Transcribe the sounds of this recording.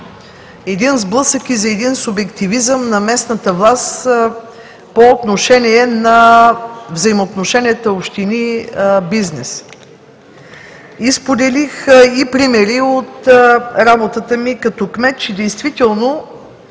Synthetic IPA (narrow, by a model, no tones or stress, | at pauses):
ɛd̪inzblˠɤsəkizɐɛd̪insʊbɛkt̪ivizəmnɐmɛsnət̪əvlˠast̪ | poːt̪noʃɛniɛnɐ | vzɐimoːt̪noʃɛnʲiɛt̪əopʃt̪inibiznɛs | ispod̪ɛlixipɾimɛɾiot̪ɾabot̪ət̪əmikɐt̪ɔkmɛt̪̚t͡ʃɛd̪ɛjst̪vit̪ɛlˠno